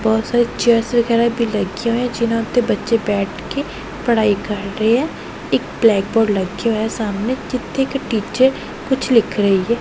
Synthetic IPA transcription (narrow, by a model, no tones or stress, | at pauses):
bɔːt̪saːɾet͡ʃəɾsɾəɡɛːɾabʱiːləɡeɦoːɛ̃ːd͡ʒɪnãʊt̪ʰːebətːʃebɛːʈʰke | pəɽ̤aːikəɾːəɦeɦɛː | ɪk̚blɛːk̚bɔːɖləɡeɦoesaːmneːd͡ʒɪt̪ʰːekʈiːt͡ʃəɾ | kʊt͡ʃʰlɪkʰɾəɦiɦɛː